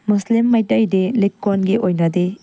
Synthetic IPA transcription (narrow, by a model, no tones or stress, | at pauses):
muslimːɐjtɐjdelikːonɡiʔojnɐde